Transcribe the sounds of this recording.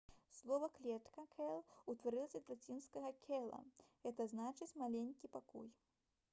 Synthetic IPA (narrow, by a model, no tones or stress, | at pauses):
slˠɔvɐklʲɛt̪kɐkʰɛlˠut̪vaɾɨlˠɐsʲɐt̪ɾʲat͡sʲinskɐɣɐkʲʰɛlˠɐ̰ɣɛt̪ɐznat͡ʂɨt͡sʲmalʲenʲkʲipakṵj